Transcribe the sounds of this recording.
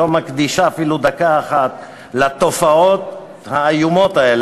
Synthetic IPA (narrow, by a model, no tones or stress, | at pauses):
omakd̪iʃaːfilud̪akaːχat̪ | lat̪ofaot̪̚ | haːjumo̞t̪ael